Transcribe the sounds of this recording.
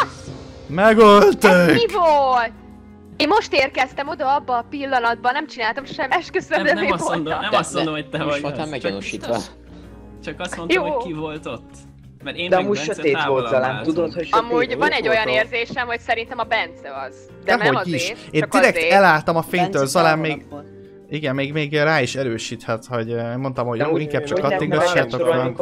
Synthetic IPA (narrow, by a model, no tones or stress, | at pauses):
mɛɡolt̪eːivolt̪ | eːmmo̞ʃt̪eːrkɛst̪ɛmo̞d̪ɒɒbːɒːpilːɒnɒd̪̚bɒnɛmt͡ʃinaːlt̪ɒmʃɛmːɛʃkøsɛɛmːivons | oamɛono̰ːʃiːt̪ʋɔ̰ | t͡ʃɒkɒsmonjoːokkivolt̪ot̪ː | mɛɾeːd̪ɛɒmuːɟʃøt̪eːɡod̪zɒlaːnt̪ud̪ot̪hocʃomuːɟvɒnɛɟːo̞jɒneːrzeːʃɛmho̞csɛɾint̪ɛmɒbɛnt̪sɛɒz̥ | d̪ɛmɦo̞diʃeːnd̪iɾɛkt̪ɛlaːlt̪ɒmɒfeːɲt̪øːlzɒlaːmmeːɡ | iɡɛmːeːɡmeːɡraːiʃɛɾøːʃiːt̪hɛt̪ho̞ɟeːmo̞nt̪ɒmho̞ɟjoːiŋkaːb̚t͡ʃɒkːɒt̪ːiŋɡɒt͡ʃːaːt̪okɒn